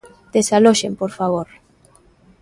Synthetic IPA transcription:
d̪̥esaloʃempoɾfaβoɾ

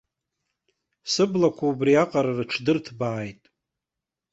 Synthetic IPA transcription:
sɨblakʷʰaubriaqʼaɾarɨʈ͡ʂʰdɨrtʰbaːjtʼ

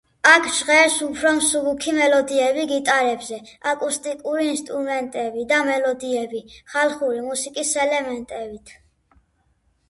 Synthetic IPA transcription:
akʰʒʁɛɾsupʰɾɔmsuɡukʰimɛlɔd̪iɛbiɡit̪ʼaɾɛbzɛakʼust̪ʼikʼuɾiːnst̪ʼɾumɛnt̪ʼɛbid̪amɛlɔd̪iɛbiχalˠχuɾimusikʼisɛlɛmɛnt̪ʼɛbit̪ʰ

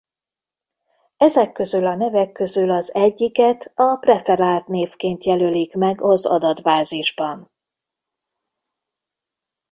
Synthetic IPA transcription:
ɛzɛkːø̞zylɒnɛvɛkːø̞zylɒzɛɟːikɛt̪ɒprɛfɛɾaːt̪neːfkeːnt̪jɛlølikmɛɡɒzɒ̰d̪ɒd̪baːziʒbɒn

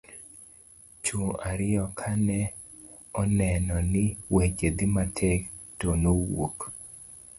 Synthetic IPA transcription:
t͡ʃuaɾɪɔkʰanɛ | ɔnɛnɔnɪwet͡ʃed̪ɪmatʰɛktonowok

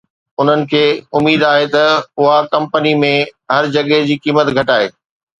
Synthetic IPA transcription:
ʊn̤ənɪ̆kʰeːʊmiːd̪aːɦet̪ɐʊɦakɐ̃mpənimẽɦɐɾd͡ʑɐɠed͡ʑiːkiːmət̪ɡʱɐʈaːɦeː

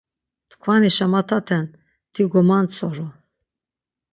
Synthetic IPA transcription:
t̪kʰvaniʃamat̪ʰat̪ʰɛn | t̪ʰiɡɔmant͡sʰɔɾu

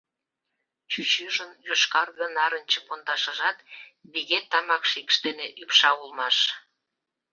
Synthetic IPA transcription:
t͡ɕyt͡ɕyʒənjoʃkɑrɣə̆nɑɾənʲt͡ɕə̆pond̪ɑʃə̆ʒɑt̪βiɣet̪ːɑmɑkʃikʃt̪eneʔypʃɑulmɑʃ

